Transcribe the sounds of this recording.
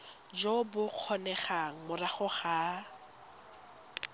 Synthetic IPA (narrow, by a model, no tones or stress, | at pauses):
d͡ʒobʊq͡χʰɔnɛχaŋ̩mʊraχʊχa